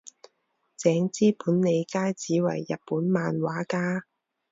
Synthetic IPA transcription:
t͡sɛː˨˥ŋt͡siː˥puː˨˥nne˨˧jkaː˥jt͡siː˨˥wɐ̰˨˩jːɐ˨t̚puː˨˥nmaː˨nwaː˨˥kaː˥

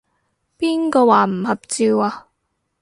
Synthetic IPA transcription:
piː˥nkɔː˧waː˨˩m̩˨˩hɐ˨p̚t͡siː˧waː˨˧

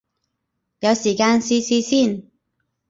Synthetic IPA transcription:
jɐ˨˧wsiː˨˩kaː˧nsiː˥siː˥siː˥˩n

